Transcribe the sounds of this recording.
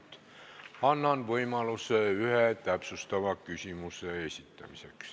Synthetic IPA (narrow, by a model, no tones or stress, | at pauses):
t̪ | ɑnːɑnʋɤjmɑluseyhet̪æpsust̪ɑʋɑkysʲimusˑeesʲit̪ːæ̰miseks